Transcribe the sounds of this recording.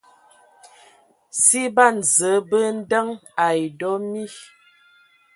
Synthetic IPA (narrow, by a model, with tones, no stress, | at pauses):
si˦ba˦˨n̩˨zə˨˦bə˦n̩˦də˦ŋa˨jdɔ˦mi˦